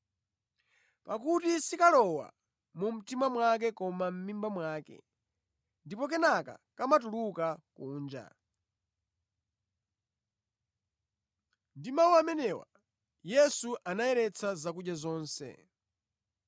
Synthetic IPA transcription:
pakutisikalɔwa̰ | mum̩timamwak̬ɛkɔmam̩mimbamwaːkɛ̰ | ndipɔk̬ɛnaka̰kamatulukakuːnd͡ʒa̰ | ndimawamɛnɛwa̰ | jɛsuʔanajɛɾɛt͡sʰazakuɗjazɔːnsɛ̰

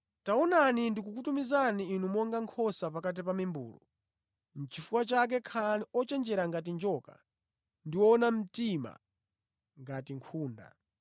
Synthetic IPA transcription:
taɔnanindikukutumizaniːnumɔŋɡaŋkʰɔsapakat̬ipamimbṵːlɔ̰ | n̩t͡ʃifuwat͡ʃak̬ɛkʰaliɔt͡ʃɛnd͡ʒɛɾaŋɡat̬ind͡ʒɔka̰ | ndiwɔnam̩tima̰ | ŋɡatiŋkʰuːnda̰

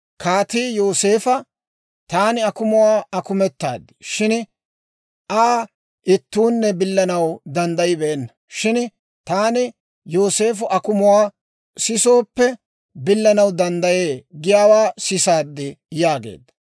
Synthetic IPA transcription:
kʰaːt̪iːjo̞ːse̞ːfɐ | t̪aːnɪɐkʊmʊwaːɐkʊmɛt̪ːa̰ːd̪ːɪʃɪn | ʔaː | ʔɪt̪ːuːnːɛbɪlːɐnɐwd̪ɐnd̪ɐjɪbɛʔɛnːɐ | ʃɪn | t̪aːnɪ | jo̞ːse̞ːfʊʔɐkʊmʊwaː | sɪso̞ːpːɛ | bɪlːɐnɐwd̪ɐnd̪ɐjeːɡɪjaːwaːsɪsaːd̪ːɪjaːɡḛːd̪ːɐ̥

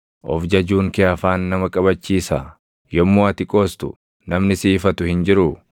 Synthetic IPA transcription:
ʔɔ̰fd͡ʒɐd͡ʒuːŋkɪɐfaːnːɐmɐkʼɐbɐt͡ʃːiːsa̰ː | jɔmːoːɐt̪ɪkʼoːst̪ʊ̥̰ | nɐmnɪsiːfɐt̪ʊhɪnd͡ʒɪɾʊ

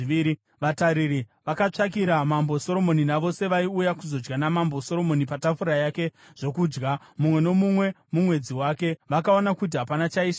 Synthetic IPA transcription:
ii | ʋataɾiɾiʋakat͡ʂak̬iɾamambo̞so̞ɾo̞mo̞ninaʋo̞se̞ʋaiujakuzo̞d͡ʒɡanamambo̞so̞ɾo̞mo̞nipatafuɾajake̞ | ʐ̥o̞kuːd͡ʒɡamumwe̞no̞mumwe̞ | mumwe̞d͡ziwaːke̞ʋakao̞nakut̬iɦapanat͡ʃaiːʃa

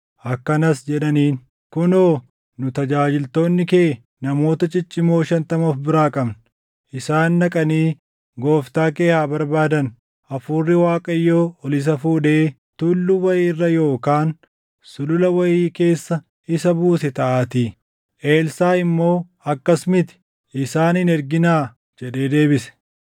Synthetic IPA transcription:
ʔɐkːɐnɐsd͡ʒɛᶑɐniːn | kʊnoː | nʊt̪ɐd͡ʒaːd͡ʒɪlt̪o̞ːnːɪkeː | nɐmo̞ːt̪ɐt͡ʃʼɪt͡ʃʼːɪmo̞ːʃɐnt̪ɐmofbɪɾaːkʼɐbn | ʔɪsaːnːɐkʼɐniː | ɡo̞ːft̪aːke̞ːhaːbɐɾbaːd̪ɐn | ʔɐfuːrːɪwaːkʼɐjːoːɔlɪs̬ɐfuːᶑe̞ː | t̪ʊlːʊwɐjiːrːɐjo̞ːkaːn | sʊlʊlɐwɐjiːke̞ːsːɐ | ɪsɐbuːsɛt̪ɐʔaːt̪iː | ʔe̞ːlsaːɪmːo̞ː | ɐkːɐsmɪt̪ɪ̥ | ɪsaːnɪnɛɾɡɪnaː | d͡ʒɛɗe̞ːd̪e̞ːbɪsɛ̥

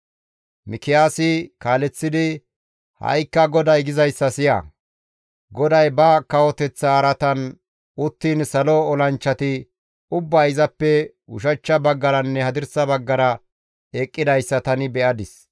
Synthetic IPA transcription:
mɪkɪjaːsɪkaːlɛt͡sːɪd̪ɪ | hɐ̰jkːɐɡɔd̪ɐjɡɪzɐjsːɐsɪjɐ̰ | ɡɔd̪ɐjbɐkɐwɔt̪ɛt͡sːɐːɾɐt̪ɐn | ʊt̪ːiːnsɐlɔɔlɐnt͡ʃːɐt̪ɪ | ʊbːɐɪzɐpːɛ | ʊ̰ʃɐt͡ʃːɐbɐɡːɐɾɐnːɛhɐd̪ɪɾsɐbɐɡːɐɾɐ | eːkʼːɪd̪ɐjsːɐt̪ɐnɪbɛʔɐd̪ɪs

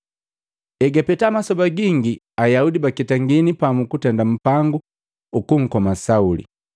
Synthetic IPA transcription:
ɛɡapɛtamasɔbaɡiŋɡi | ajaudibakitaŋɡinipamukutɛndam̩paŋɡuː | kuŋ̩kɔmasaulḭ

